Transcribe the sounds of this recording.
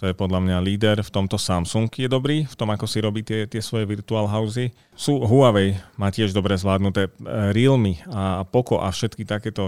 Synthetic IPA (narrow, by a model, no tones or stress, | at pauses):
t̪ɔjɛpɔd̪ʎamɲaliːd̪ɛɾft̪ɔmt̪ɔsamsuŋkujɛd̪ɔbɾiːft̪ɔmakɔsiɾɔbiːt̪ɪɛt̪ɪɛsʋɔjɛʋiɾt̪uaːlɦaʊzi | suːɦuaʋɛjmaːcɪɛʒd̪ɔbɾɛzʋlaːd̪nut̪ɛːɾilmiapɔkɔʔafʃɛt̪kit̪akɛːt̪ɔ